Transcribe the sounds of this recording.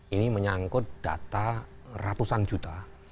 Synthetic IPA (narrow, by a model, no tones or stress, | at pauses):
iniməɲaŋkʊt̪̚d̥a̰t̪a | rat̪usand͡ʒut̪a